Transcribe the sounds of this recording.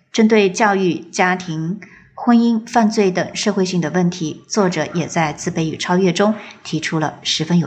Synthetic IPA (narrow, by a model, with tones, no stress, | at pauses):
ʈ͡ʂə˥nt̪we˥˧ɪt͡ɕjɑ˥˧ʊy˥˩t͡ɕja˥t̪ʰi˧˥ŋ | xwə˥ni˥nfa˥˧nt͡swe˥˩ɪt̪ɤ˨˩ŋʂɤ˥˧xwe˥˧ɪɕi˥˩ŋd̪ə˩wə˥˩nt̪ʰi˧˥t͡swɔ˥˩ʈ͡ʂɤ˨˩˦jɛ˨˩t͡sa˥˧ɪt͡sɹ̩˥˧pe˥˩ɪy˨˩ʈ͡ʂʰɑ˥ʊɥɛ˥˩ʈ͡ʂʊ˥ŋt̪ʰi˧˥ʈ͡ʂʰu˥lə̰˨ʂɻ̩˧˥fə˥njo˨˩